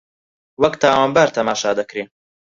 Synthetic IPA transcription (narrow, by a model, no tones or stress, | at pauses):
wɐkt̪ʰaːwaːnbaːɾt̪ʰɐmaːʃaːd̪ɐkɾiːn